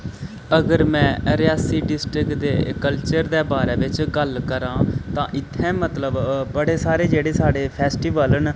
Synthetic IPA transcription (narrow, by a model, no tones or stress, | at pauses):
əɡəɾmɛ̃ːɾjaːsiːɖɪsʈɾɪkd̪ḛːkəlt͡ʃəɾd̪eːbaːɾɛːʋɪt͡ʃɡəlkəɾãːt̪ãːʔɪt̪ʰːɛ̃ːmət̪ləbbəɽeːsaːɾeːd͡ʒeːɽeːsaːɖeːpʰɛːsʈiːʋələn